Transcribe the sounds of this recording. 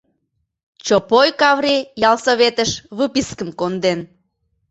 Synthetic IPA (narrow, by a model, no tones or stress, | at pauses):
t͡ɕopojkɑβɾejɑlsoβet̪əʃβɨpiskəmkond̪en